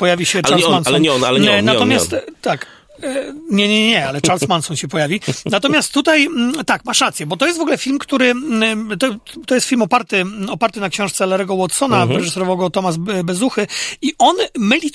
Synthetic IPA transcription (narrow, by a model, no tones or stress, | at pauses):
pɔjavʲiɕɛt͡ʂaɾsmansɔɲɛɔnalnat̪ɔmʲjast̪ːak | ɲɛɲɛɲɛalɛt͡ʂaɾsmansɔnɕɛpɔjavʲinat̪ɔmʲjast̪ːut̪ajt̪akmaʂat̪sʲjɛbɔt̪ɔjɛst̪vɔɡulɛfʲilmkt̪uɾɘt̪ɔt̪ɔjɛst̪filmɔpaɾt̪ɘɔpaɾt̪ɘnakɕɔ̃w̃ʂt̪sɛlɛɾɛɡɔwɔt̪sɔnavɾɛʐɨsɛɾɔvawɡɔt̪ɔmazbɛzuxɘiɔnmɘlʲi